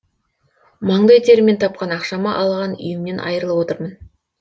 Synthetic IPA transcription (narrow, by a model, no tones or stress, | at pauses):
mɑɴd̪ɑjt̪ʰe̞ɾɪme̞nt̪ʰɑp̚qɑnɑqʃɑmɑʔɑlˠʁɑnʏ̰jɪmne̞nʔɑ̰jɾəlˠəpwo̞t̪əɾmən